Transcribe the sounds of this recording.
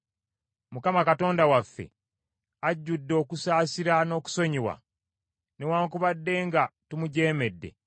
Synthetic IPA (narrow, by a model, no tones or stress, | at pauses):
mukamakato̞ːndawafːe̞̰ | aɟːudːo̞ːkusaːsiɾano̞ːku̥so̞ɲiwa̰ | newaːŋkuβadːe̞ːŋɡatumuɟe̞ːme̞dːe̞̰